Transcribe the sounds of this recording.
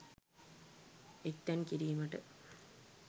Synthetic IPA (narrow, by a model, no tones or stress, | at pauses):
ekt̪ːɐnkiɾiːmɐʈɨ